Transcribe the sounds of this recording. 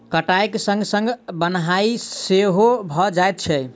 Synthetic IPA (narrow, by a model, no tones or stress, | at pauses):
kəʈajksə̃ŋɡsə̃ŋɡbənɦaiseɦobʱɔd͡ʒaet̪̚t͡ʃʰɛ